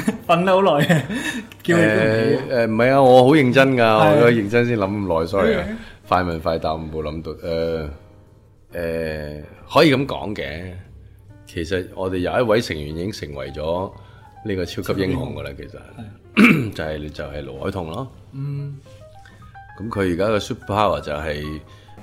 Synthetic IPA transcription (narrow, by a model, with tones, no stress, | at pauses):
fɐ˨nt̪ɐ˥ho˧˥wlɔː˨˩jɛ˧ | kiː˧wɛ˨˧ɛː˧m̩˨˩hɐ˨jaː˧ŋɔː˨˧ɦo˨˥wjɪ˨ŋt͡sɐ˥nkaː˧ɔː˨˧˨kɔ˥˩jɪ˨˧ŋt͡sɐ˥ns̬iː˥nlɐ˨˥m̩˨˩lɔː˨jsɔː˨˦˥le˨˩a˧faː˧jmɐ˨˩nfaː˨˧jt̪aː˨˩m̩˨˩mo˨˧wlɐ˨˧˥mt̪o˨˧ʔɛː˧ | ʔɛː˨˧ | hɔː˨˥jiː˨˧kɐ˨˥mkɔ̰ː˨˥ŋkɛː˧ | kʰe˨˩jsɐ˨t̚ŋɔː˨˧t̪e˨jɐ˨˧wɐ˥t̚wɐ˨˥jsɪ˨˩ŋjyː˨˩njiː˨˧kɪ˥ŋsɪ˨˩ŋwɐ˨˩jt͡ʃɔː˨˥ | niː˥kɔː˧t͡sʰiː˥wkʰɐ˥p̚jɪ˥ŋhɔ̰ː˨˧ŋɡɐ˧la˧kʰe˨˩jsɐ̰˨t̚ | t͡sa˨hɐ˨jt͡sɐ˨whɐ˨jlo˨˩whɔ̰ː˨˥jt̪ʰʊ˨˩ŋlaː˥ | kɐ˨˥mkʰɵ˨˧ɥjiː˨kaː˦˥kɔː˧suː˥p̚pʰaː˥wɐ˨˩t͡sɐ˨wɦɐ˨j